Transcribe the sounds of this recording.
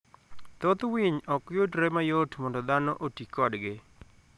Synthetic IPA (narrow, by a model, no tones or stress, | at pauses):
t̪ot̪wiɲɔkjotɾɛmajotmɔndɔd̪anoʔotikːɔdɡɪ